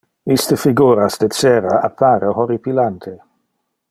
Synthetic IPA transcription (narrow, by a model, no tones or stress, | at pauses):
ist̪əfiɡuːɾasd̪et͡sɛːɾaapʰːaɾehoɾipilant̪ʰe